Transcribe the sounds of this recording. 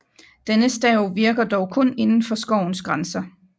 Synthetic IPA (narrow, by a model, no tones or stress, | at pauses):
d̥enəsd̥ɛʊʋiɐɡ̥ɐd̥ɒʊkʰɔ̽ne̝nn̩fɒ̽sɡ̥ɒʊ̰n̩sɡ̥ʁansɐ